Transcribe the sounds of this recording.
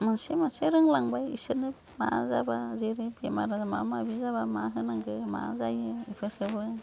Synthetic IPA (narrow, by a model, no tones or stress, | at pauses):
mɯnsemɯnseɾɯŋlaŋbajḭsɯnɯp | ma̰zabazeɾɯbemaɾazma̰mabizabamaɦɯnaŋɡɯma̰zajɯipʰɯɾkʰɯbɯ